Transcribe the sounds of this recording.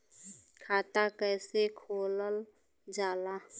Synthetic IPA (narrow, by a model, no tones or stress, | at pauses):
kʰaːt̪akɛːsekʰoːləl | d͡ʒaːlaː